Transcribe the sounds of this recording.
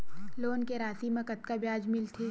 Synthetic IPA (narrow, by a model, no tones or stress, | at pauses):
loːnkeɾaːsimɐ̃kɐt̪̚kabjaːd͡ʒmɪlt̪ʰeː